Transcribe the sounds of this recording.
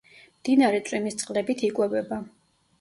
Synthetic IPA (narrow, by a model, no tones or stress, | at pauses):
md̪̥inaɾɛt̪sʼwimist̪sʼqʼlɛbit̪ʰikʼwɛvɛba